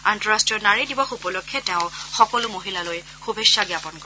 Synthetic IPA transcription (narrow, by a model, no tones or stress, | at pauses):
antɔɹastɹiɔnaɹidibɔxupɔlokʰːɛtɛʊxɔkɔlʊmoɦilaloj | xubʱesaɡjapɔnkɔ